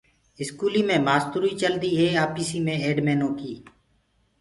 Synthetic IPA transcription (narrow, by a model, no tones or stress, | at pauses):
ɪskuːliːmẽːmaːst̪ʊɾiːt͡ʃəld̪iːɦeːaːpiːsiːmẽːeːɖmeːnõːkiː